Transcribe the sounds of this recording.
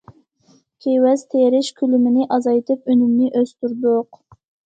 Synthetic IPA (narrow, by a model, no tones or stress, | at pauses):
kʲʰewɛzt̪ʰeɾɪʃkʲʰylymɪnɪʔɑzɑjt̪ʰɨpønymnɪʔøst̪yɾd̪ʊq